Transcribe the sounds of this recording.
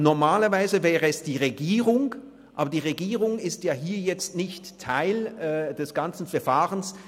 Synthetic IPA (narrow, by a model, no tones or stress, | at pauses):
nɔɐmaːlɐvaɪzəvɛːʁəɛsd̥iːʁeɡiːʁʊŋ | ʔaːbɐdiːʁeɡiːʁʊŋɪstjaːɦiːɐjɛt͡stnɪçtʰːaɪlɛd̥ɛsɡ̥ant͡sn̩fɛɐfaːʁəns